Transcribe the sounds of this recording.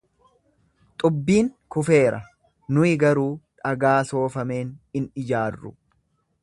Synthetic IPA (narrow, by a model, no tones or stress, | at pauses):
t̪ʼʊbːiːŋkʊfe̞ːɾɐ̰ | nʊɪɡɐɾuːᶑɐɡaːso̞ːfɐme̞ːnɪnɪd͡ʒaːrːʊ̰